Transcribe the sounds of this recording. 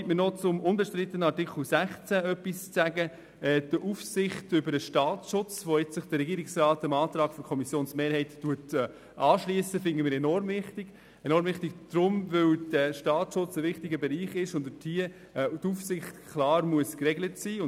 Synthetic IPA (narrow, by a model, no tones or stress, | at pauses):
tmənɔt͡sʊmʊnbɛʃtɾɪt̪ːənɑɾtɪkl̩sæχt͡sæœpːist͡sæɡə | ɛːd̥əʔufsɪχtʏbəɾəʃtɑːt͡sʃʊt͡sʋoɪt͡ssəχd̥əɾɛɡiːɾɪksrɑːtəmɑːt̪ɾɑːɡ̥fɔkʰɔmisjoːnsmeːɾhɛɪtːuətː | ʔɑːʃliəsəfɪŋɡəmɪːɾɛnɔɾmvɪχtɪɡ̥ | ɛnɔɾmvɪχtiɡd̥ɾʊmvʏwd̥əʃtɑːt͡sʃʊt͡səʋɪχtiɡəbɛɾiːχɪʃʊndətʰiə | tufsɪχtkʰlɑːɾmuəskrɛɡlətsiːʊ